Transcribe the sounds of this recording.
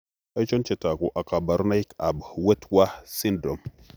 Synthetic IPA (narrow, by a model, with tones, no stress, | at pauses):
a˦jt͡ʃo˦nt͡ʃe˨ta˨ku˨ʔa˨ka˨ba˨ɾna˦ji˦ka˨bwe˦twa˦si˦ndɾo˨m